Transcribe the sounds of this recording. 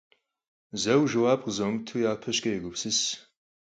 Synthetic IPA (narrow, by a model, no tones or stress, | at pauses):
zɐwʒɐwaːbqzomtʰujaːpʰɐʃkʼɐjɛɡʷʊpsɨs